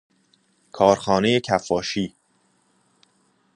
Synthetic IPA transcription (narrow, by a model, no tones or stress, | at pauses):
kʰɒːɾxɒːne̞jecʰæfːɒːʃiː